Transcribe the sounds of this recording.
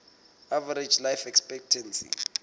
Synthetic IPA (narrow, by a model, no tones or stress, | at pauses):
avaɾed͡ʒlajfɛkspɛk̚tʰɛnsḭ